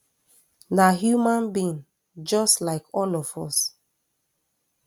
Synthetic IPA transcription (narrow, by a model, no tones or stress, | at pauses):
naɦjumãnbĩn | d͡ʒɔstlaɪkʰɔlɔv̥ɔs